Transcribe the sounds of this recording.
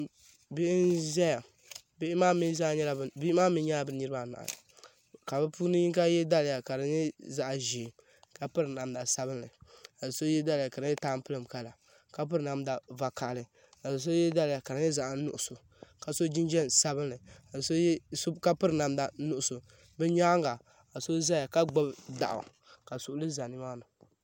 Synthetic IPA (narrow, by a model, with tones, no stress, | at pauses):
be˦ʔn˦zɛ˦ja˨ | be˦maː˦mi˦za˦˨˦ɲɛ˦la˨bi˦maː˦mi˦ɲa˦a˦bɨ˦nɨ˦ɾɨ˦ba˦˨na̰˨a̰˨la̰˨ | ka˨bɨ˦puː˦nɨ˦ɲi˦ka˦jɛ˦da˦lɪ˨ja˨ka˨ɾɨ˨ɲɪ˦za˨ʔʒi˨ | ka˨pɨ˦ɾna˨mda˨sa˦bɨ˦n˦lɨ˨a˨so˦jɛ˦da˦lɪ˨ja˨ka˨ɾɨ˨˦ɲɛ˦taː˦m˦pɨ˦lɨ˨m˨ka˦la˨ | ka˦p̬ɨ˦ɾna˨˦m˦da˨va˨ka˨ʔlɨ˨ | a˨s̬o˦jɛ˦da˦lɪ˨ja˨ka˨ɾɨ˨˦ɨ˦za˦ʔnʊ˦ʔʊ˨sʊ˨ | ka˨so˦d͡ʒi˦nd͡ʒɛ˦nsa˦bɨ˦nlɨ˨a˨so˦jso˦ka˦pɨ˦ɾna˨mda˨˦nʊ˦ʔʊ˨sʊ˨ | bɛ˦ɲaː˦ŋɡa˨ | a˨so˦za˦a˨ka˦ɡ͡bo˦bda̰˨ʔʊ̰˨ | ka˨sʊ˨ʔʊ˦lɨ˦za˨nɨ˦maː˦nɨ˨